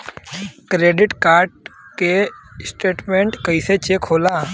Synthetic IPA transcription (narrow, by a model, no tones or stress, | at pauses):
kɾeːɖɪʈkaːɾʈkesʈeːʈmẽɳʈkəiset͡ʃekʰoːlãː